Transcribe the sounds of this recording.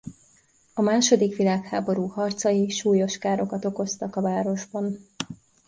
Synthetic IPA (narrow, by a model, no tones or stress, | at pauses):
ɒmaːʃo̞d̪ikʋilaːkhaːbo̞ɾuːhɒrt̪sɒjiʃuːjo̞ʃkaːɾo̞kɒt̪o̞ko̞st̪ɒkɒvaːɾo̞ʒbɒn